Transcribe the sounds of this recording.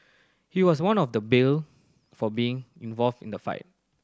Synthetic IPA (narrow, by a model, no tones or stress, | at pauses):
hiwɔs̬wãnɔfdəbil | fɔbiɪ̃ŋĩnvɔlvdḭ̃ndəfa̰ɪt̚